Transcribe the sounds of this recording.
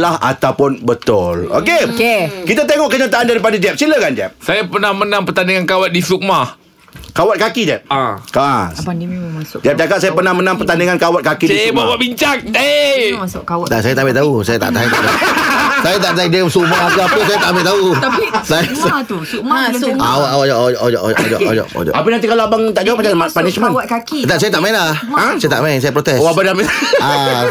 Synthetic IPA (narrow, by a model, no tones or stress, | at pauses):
laha̰t̪awpʊnbət̪ʊlo̰kekekit̪at̪eŋɔʔkəɲat̪aʔandaɾipadad͡ʒɛp̚siləkand͡ʒɛp̚sajapənahmənãŋpərt̪aniŋankawat̪̚disuʔmah | kawat̪̚kakid͡ʒɛp̚akaspadimasʊd͡ʒɛp̚d͡ʒakat̪sajapərnahmənãmpərt̪aniŋankawat̪̚kakidibabaʔbiɲt͡ʃaŋ̚aasʊʔkawaasajat̪aʔmbɪʔt̪ausajat̪a̰ʔt̪ait̪asajat̪aʔt̪aidemsumaʔakaapəsajat̪aʔambɪʔt̪aut̪aisajast̪usumaawaʔawaɔʔd͡ʒʔod͡ʒɔʔʔod͡ʒɔ̰ʔo̰d͡ʒɔ̰ʔo̰d͡ʒɔ̰ʔapənant̪ikalaabaŋt̪aʔd͡ʒawapad͡ʒaapanismãnwakakit̪asajat̪aʔmainlahãajat̪aʔmainsajapɾot̪ɛsoabadaambɪʔa